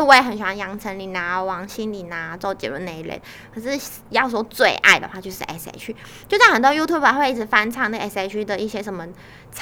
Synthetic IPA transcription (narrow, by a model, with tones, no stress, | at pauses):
wɪ˧˩ə˧˦nɕi˨˩wa˥njɑ˧˥ŋt͡sʰə˧˥nli˨˩na˧˥wɑ˨˥˦ŋɕi˥nli˨˩na˧˥t͡so˥˩ʊt͡ɕjɛ̰˧˥lṵ˧˥˩ne˨˧˦i˧˩ɻə̰˧˦n | kʰə˨˩ʂɻ̩˥˩ | jɑ˥˧ʊs̬wɔ˥t͡swe˥˧ɪʔa̰˥˩ɪd̪ə˨˩xwa˥˧t͡ɕjo˥˧ʊʂɻ̩̰˥˩ʔɛ̰˧˥sḛ˧ɪt͡ɕʰy˥ | t͡ɕjo˥˧ʊɕjɑ˥˩xə˨˩nt̪wɔ˥ju˥t̪ʰju˥˩bə˨˧˥xwe˥˧ɪi˥˩ʈ͡ʂ̩ʰ˧˩˦fa˥nʈ͡ʂʰɑ˥˧ŋnə˥˩ɡɛ˥se˥˧ɪt͡ɕʰy˥d̪ə˨i˥˩ɕjɛ˥ʂə˧˥nmə˧ | t͡sʰ